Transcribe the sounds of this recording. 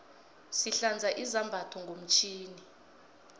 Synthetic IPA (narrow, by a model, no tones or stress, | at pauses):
siɬand͡zʱaʔizambʱatʰɔŋɡʱom̩t͡ʃʰʼiːni